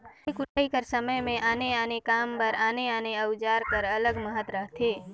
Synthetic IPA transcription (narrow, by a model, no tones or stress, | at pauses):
ikʊʈəikəɾsəməjmẽʔaːneanekaːmpəɾaːneaːneəwd͡ʒaːɾkəɾələɡməɦət̪ɾəɦt̪ʰeː